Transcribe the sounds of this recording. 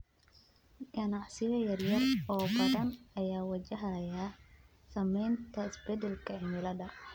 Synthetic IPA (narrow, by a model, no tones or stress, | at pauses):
ɡɐnɑʕsɪjɐjɐrjɐrɔːbɐðɐnɐjaːwɐt͡ʃɐɦɐja | sɐmɛjnt̪ʰɐɪsbɛd̪ɛlkʰɐɪmɪlɐdɐ